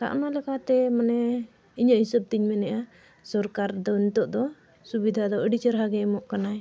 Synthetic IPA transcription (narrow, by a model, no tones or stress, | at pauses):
t̪a̰ʔnalɛkʰat̪ɛmanɛ | iɲəʔhisəb̚t̪iɲmɛnɛʔa | sɔɾkaɾd̪ɔiɲt̪ɔʔd̪ɔ | subid̪ʱad̪ɔəɖit͡ʃəɾɦaɡɛmɔʔkanaj